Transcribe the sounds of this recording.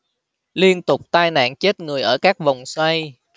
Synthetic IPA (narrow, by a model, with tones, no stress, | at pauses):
li˧ənt̪ʊ˨˩k͡p̚t̪aː˧jna̰ː˧˨nt͡ɕe˦˥t̚ŋɨ˨˩əjʔəː˧˩kaː˦˥k̚va˨˩wŋ͡mswa˧j